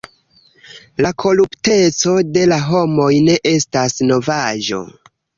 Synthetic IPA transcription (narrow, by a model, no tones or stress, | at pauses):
lakʰo̞lupte̞t͡so̞de̞laɦo̞mo̞jne̞ʔe̞stasno̞vaʒo̞̰